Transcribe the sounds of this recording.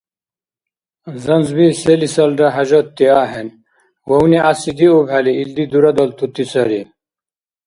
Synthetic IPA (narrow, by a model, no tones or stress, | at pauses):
zɐnzbiselisɐlɖɐɦɐd͡ʑot̪ːiaːɦen | wɐwniʔasid̪iobʱɐliild̪id̪uɾɐd̪ɐlt̪ut̪isɐɾi